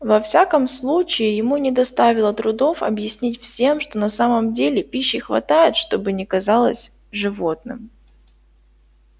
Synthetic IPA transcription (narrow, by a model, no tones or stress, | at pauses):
vɐfsʲakəmslˠut͡ɕɪɪjɪmunʲɪd̪ɐst̪avʲɪlˠət̪ɾʊd̪o̞fɐ̰bjɪsʲnʲitʲfsʲe̞mʂt̪o̞nɐsaməmdʲelʲɪpʲiɕːɪxvɐ̰t̪ajɪt̪ʂt̪o̞bɨnʲɪkɐzalˠə̰sʲ | ʐɨvo̞t̪̚nɨ̰m